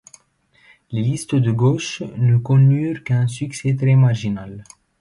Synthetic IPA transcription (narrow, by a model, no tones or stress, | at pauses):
lelist̪əd̪əɡoʃnəkɔ̃nyʁkɛ̃syksɛt̪ɾemaʁʒinal